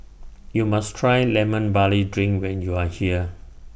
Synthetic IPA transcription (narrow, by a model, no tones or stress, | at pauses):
jumastʰɹajlɛmə̃nbalidɹĩŋkwɛ̃njuahiə